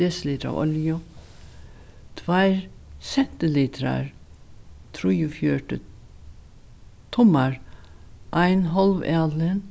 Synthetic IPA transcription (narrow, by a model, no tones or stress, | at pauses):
esliːt̪ɾɑ̰ɔ̰ljʊ | t̪ʰʋæɪɾsɛnt̪ɪliːt̪ʰɾɑ̰ɾ | t̪ʰɾujʊfjøːʈə | t̪ʰʊmɑɹ | ʔæɪnɦɔlʋɑːd̪lən